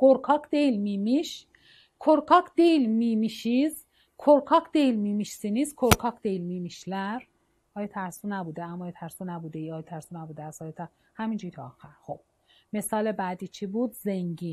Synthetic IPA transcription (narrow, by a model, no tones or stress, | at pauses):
ɡ̥oɾkʰɒːkʰd̪ejlmiːmiʃ | kʰoɾkʰɒːkʰd̪̥ejlmiːmiʃiz | kʰoɾkʰɒːkʰd̪ejlmiːmiʃsiniːskʰoɾkʰɒːkʰd̪ejlmiːmiʃlæɾ | ʔɒːjet̪ʰæɾsunæbuːd̪eæmɑːjet̪ʰæɾsunæbuːd̪ejɒːjet̪ʰæɾsunæbuːd̪eæsɒːjet̪ʰæɾ | hæmind͡ʒuit̪ʰɒːxæɾxob̥̚ | mesɒːlebæːd̪iːt͡ʃʰibuːd̪zeŋɡiːn